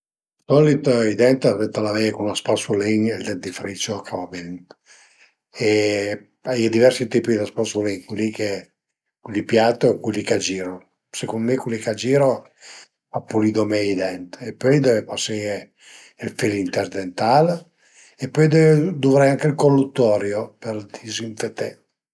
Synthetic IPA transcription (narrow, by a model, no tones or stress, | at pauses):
sɔlit̪id̪ɛnt̪avɛnt̪alavɛjkunaspasuliŋɛld̪ɛnd̪ifɾit͡ʃɔkʰaabint̪ | e | ajed̪ivɛɾsit̪iːpid̪aspasuliŋkwilike | kwilːipjat̪ːokilikad͡ʒiːɾɔ | sekond̪omekwilikad͡ʒiɾo | apːulid̪omɛd̪ɛnt̪epːɔjd̪ɛvepase | ilfilint̪ɛɾd̪ent̪al | epːɔjd̪ɛd̪uvɾɛjaŋkeilkolːut̪ːɔːɾjopeɾd̪izint̪et̪e